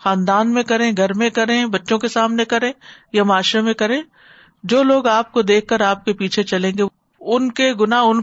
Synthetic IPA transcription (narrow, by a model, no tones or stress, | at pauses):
xãːnd̪aːnmẽkɐɾẽɡʱɐɾmẽkɐɾẽbɐtːʃõkesaːmnekɐɾẽː | jamaːʃɾemẽkɐɾẽː | d͡ʒoːloːɡaːp̚kod̪eːkʰːɐɾaːp̚kepiːt͡ʃʰet͡ʃɐlẽːŋɡe | ʊnkeɡʊnaːɦʊn